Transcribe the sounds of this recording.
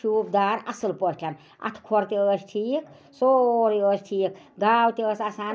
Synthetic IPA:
ʃuːb̚d̪aːɾɐsɨlpɔstʰʲan | ɐ̰t̪ʰkʰoɾt̪eəsʈʰiːk | soɾiəːsʈʰiːk | ɡ̪aːwt̪eəːsɐsaː

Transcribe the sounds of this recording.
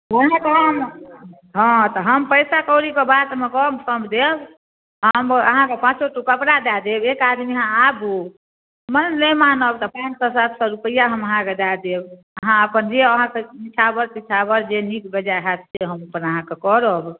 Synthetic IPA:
əɦãk̪eɦəm | ɦɔ̃t̪ɔɦəmpəjsakɔɾikebat̪mekɔmkəmd̪eb | əməɦãkepãt͡ʃsoʈukəpɽad̪ad̪ebekad̪miɦãabu | mənləmanəbt̪ɔpãt͡ʃsɔsat̪ʰsɔɾupəjaɦəməɦãked̪ad̪eb | əɦãəpənd͡ʒeəɦãkenit͡ʃʰabəɾpit͡ʃʰabəɾd͡ʒenikbəd͡ʒaɦɛt̪ʰseɦəməpənəɦãkekɔɾəb

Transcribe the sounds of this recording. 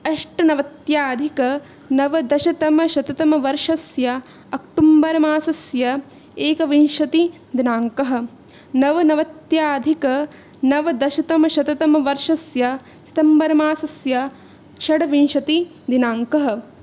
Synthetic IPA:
ɐʂʈɐnɐʋɐt̪jaːd̪ʱikɐ | nɐʋɐd̪ɐʃɐt̪ɐmɐʃɐt̪ɐt̪ɐmɐʋɐɾʂɐsjɐ | ɐk̚ʈumbɐɾɐmaːsɐsjɐ | eːkɐʋinʃɐt̪i | d̪inaːŋkɐɦɐ̆ | nɐʋɐnɐʋɐt̪jaːd̪ʱikɐ | nɐʋɐd̪ɐʃɐt̪ɐmɐʃɐt̪ɐt̪ɐmɐʋɐɾʂɐsjɐ | si̥t̪ɐmbɐɾɐmaːsɐsjɐ | ʃɐɽɐʋinʃɐt̪i | d̪inaːŋkɐɦɐ̆

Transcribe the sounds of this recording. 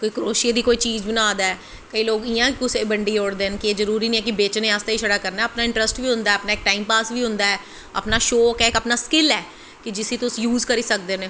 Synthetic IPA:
koːiːkɾoːʃeːd̪iːkoːiːt͡ʃiːd͡ʒbənaːd̪aːɛː | kəiːloːɡɪjãːkʊseːbəɳɖiːoːɽd̪eːnkɪeːzəɾuːɾiːnĩːɛ̃ːk̬ɪbeːt͡ʃneːaːst̪aiːʃəɽaːkəɾnaːəpnaːɪ̃ɳʈɾəsʈʋiːɦʊ̃nd̪aːɛəpnaːɪk̚ʈaːiːmpaːsʋiːɦʊ̃nd̪aːɛː | ə̰pnaːʃoːkɛːkəpnaːskɪlɛː | kɪd͡ʒɪsĩːt̪ʊsjuːzkəɾiːsək̚d̪eːneː

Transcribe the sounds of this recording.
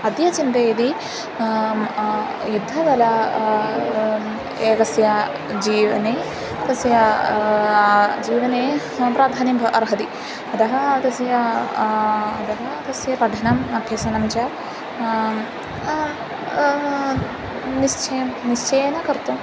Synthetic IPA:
ɐd̪jɐt͡ʃint̪ejd̪i | jud̪ʱːɐd̪ɐlɐ | eːɡɐsjɐ | d͡ʒiːʋɐ̰neː | t̪ɐsjɐ | d͡ʒiːʋɐneː | pɾaːd̪ʱaːnimbʱʔɐɾɦɐd̪i | ɐd̪ɐɦɐt̪ɐsjɐ | ɐd̪ɐɦɐt̪ɐsjɐpɐɖʱɐnɐmɐbʱjɐsɐnɐmt͡ʃɐ | nist͡ʃʰɐmniʃt͡ʃeːjɐnɐkɐɾt̪um

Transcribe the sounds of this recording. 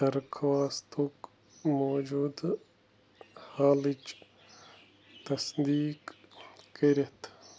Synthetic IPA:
t̪ɐɾkʰʋaːst̪uk | moːd͡ʒuːd̪ | haːlit͡ʃ | t̪ɐsd̪iːkː | iɾet̪ʰ

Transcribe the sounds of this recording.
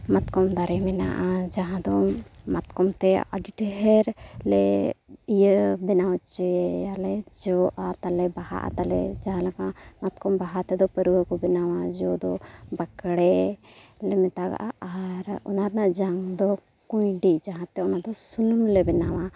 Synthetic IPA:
mat̪kɔmd̪aɾɛmɛna̰ʔad͡ʒaɦãd̪ɔmat̪kɔmt̪ɛa̰ɖiʈəɦɛɾlɛijəbɛnawt͡ʃɛjalɛd͡ʒɔʔat̪alɛbaha̰ʔa̰t̪alɛ̰d͡ʒaɦãlakamat̪kɔmbaɦat̪ɛd̪ɔpəɾuwəkɔbɛnawad͡ʒɔd̪ɔbakɽɛ | lɛmɛt̪aɡa̰ʔaʔaɾɔ̰naɾnaʔd͡ʒaŋd̪ɔ | kujɖid͡ʒaɦãt̪ɛɔnad̪ɔsunumlɛbɛnawa

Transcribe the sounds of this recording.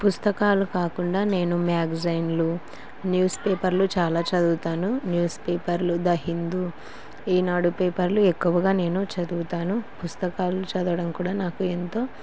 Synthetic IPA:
pust̪ɐkaːlukaːkuɳɖaːne̞ːnumaːɡzɐjnlu | njuːspeːpɐɾlut͡ʃaːlaːt͡ʃɐd̪uːt̪aːnunjuːspeːpɐɾlud̪ɐɦind̪u | iːnaːɽupeːpɐɾluekːuʋɐɡaːne̞ːnut͡ʃɐd̪uːt̪aːnupust̪ɐkaːlut͡ʃɐd̪uʋɐɽɐmkuːɽaːnaːkuent̪o̞ː

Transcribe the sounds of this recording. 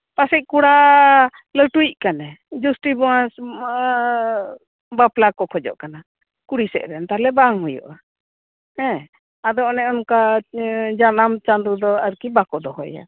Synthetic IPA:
pasɛc̚ˀkuɽa | ləʈujc̚kanɛd͡ʒusʈibɔwãs | baplakɔkʰɔd͡ʒɔ̰ʔkana | kuɽisɛ̰ʔɾɛnt̪alɛbaŋɦujɔ̰ʔa | hɛ̃ | ad̪ɔɔnɛɔnka | d͡ʒanamt͡ʃand̪ud̪ɔaɾkibakɔd̪ɔɦɔja̰

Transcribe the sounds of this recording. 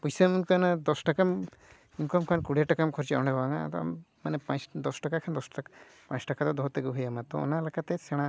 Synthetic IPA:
pujsemunkanad̪ɔsʈakam | unkɔmkʰankuɽeʈakamkʰɔɾt͡ʃɛɔɳɖɛbaŋa̰t̪ɔa̰mː | anɛpãsd̪ɔsʈakakʰand̪ɔsa | pãjsʈakat̪ɔd̪ɔɦɔt̪eɡuɦujamat̪ɔ̰ɔ̰nalekat̪ɛsɛɽ̃a

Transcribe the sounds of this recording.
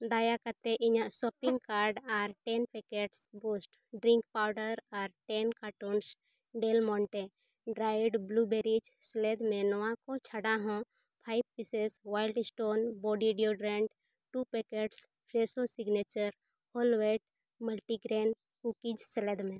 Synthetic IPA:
d̪aːjakəɾt̪eʔɪɲãsɔːpɪ̃ŋɡkaːɾɖaɾʈenpekeʈsboːsʈ | ɖɾɪ̃ŋkpaʊɖəɾɔːɾʈenkaːʈoːns | ɖeːlmɔ̃ːɳʈẽ | ɖɾaːɪɖbluːbeɾid͡ʒsled̪mẽnɔʋãkot͡ʃʰəɽaɦõ | pʰaːɪb̚pisesʋaːɪlɖɪsʈoːnbɔːɖiɖioɖɾẽɳɖ | ʈupeːkeʈs | pʰɾeːsosɪɡnet͡ʃəɾ | hoːlweːʈ | məlʈiɡɾeːn | kukid͡ʒsleːd̪mẽ

